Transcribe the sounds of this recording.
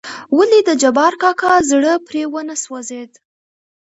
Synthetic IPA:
walid̪əd͡ʒabɑɾkɑkɑzɽəpɾewənəswazed̪

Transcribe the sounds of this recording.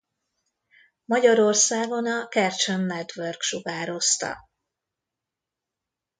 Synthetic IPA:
mɒɟɒɾo̞rsaːɡo̞nɒkɛrt͡ʃonːɛt̪ʋørkʃuɡaːɾo̞st̪ɒ̰

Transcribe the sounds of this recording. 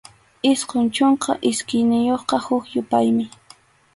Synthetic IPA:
ɪsqont͡ʃoɴqɑ̰ʔɪskɪjnɪjoχqɑhʊkjʊpajmɪ

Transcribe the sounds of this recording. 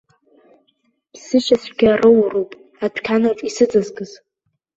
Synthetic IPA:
bsɨʃasʷɡʲarɨwrowpʼ | atʷᶣʰkʲʰanaʈ͡ʂʼisɨd͡zɨzɡɨz̥

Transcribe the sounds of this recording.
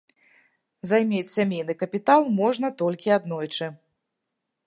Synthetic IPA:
zajmʲet͡sʲsʲamʲejn̪ɨkɐpʲit̪alˠmɔʐnɐt̪ɔlʲkʲiad̪nɔjt͡ʂɨ

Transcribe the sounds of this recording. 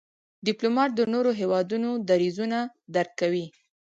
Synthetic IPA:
ɖɪplomɑʈ̚d̪ənoɾoɦewɑd̪unod̪aɾizuna | d̪aɾkkːawi

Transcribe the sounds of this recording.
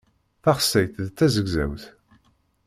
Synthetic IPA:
θæχsːæjθðt͡s̪ːæzəɡzæ̰wθ

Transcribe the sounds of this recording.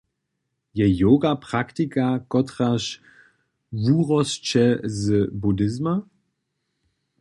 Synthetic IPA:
jɛjoːɡapʁ̥aktikakɔtʁaʃ | vuːʁɔst͡ʃɛzəbudɪzma

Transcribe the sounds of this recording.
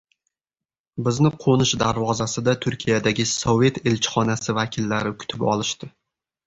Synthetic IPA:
bɪznɪqʰonɪʃd̪aɾvɒzasɪd̪at̪ʰʊɾkʲʰijad̪aɡʲɪsove̞t̪elt͡ʃʰɪ̥χɒnasɪvakʲʰɪlːaɾɪkʲʰʊ̥t̪ʰɪpɒ̰lˠɪʃt̪ɪ

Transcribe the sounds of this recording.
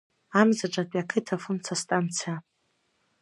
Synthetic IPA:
amzaʈ͡ʂʼatʼakʰɨtʰafɨmt͡sʰastʼant͡sʰija

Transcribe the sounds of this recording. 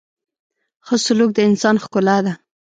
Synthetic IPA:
xəsʊluk̚d̪əɪnsɑnxkʊlad̪a

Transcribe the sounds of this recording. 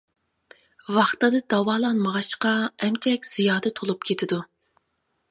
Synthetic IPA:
wɑχt̪ɨd̪ɨd̪̥ɑwɑːlˠɑnməʁɑʃqɑɛmt͡ʃʰɛkʲz̥ijɑːd̪ɨt̪ʰolˠup̚kʲʰet̪ʰɪd̪u

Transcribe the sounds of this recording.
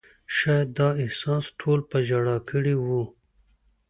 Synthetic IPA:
ʃajd̪ɑːɪhsɑ̃ːsʈʰoːlpɐd͡ʒaɽakəɽiwu

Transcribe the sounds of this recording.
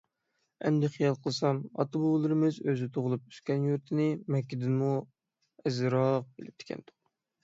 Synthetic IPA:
ɛ̰nd̪ɪχijɑlˠqʰəlˠsɑmɑ̰t̪obolˠɨɾɨmɨzøzɪt̪ʰoʁʊlˠup̚y̥skʲɛnjuɾt̪ʰɪnɪmɛkʲːid̪ɪnmu | ɛzɨɾɑːlˠəq̚belɪp̚t̪ʰɪ̥kʲʰɛ̰nd̪ʊ̥q

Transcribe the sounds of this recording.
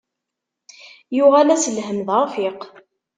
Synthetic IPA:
jʊʁalæsəlɦəmðaɾfɪq

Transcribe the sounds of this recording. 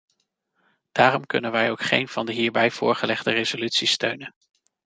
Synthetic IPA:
d̥aːrɔmkɵnənʋɛjowkχḛjnvɑndəɦiːɹbɛjv̥ʊ̰ːɹχəlɛχdərezolytsistøɥnən

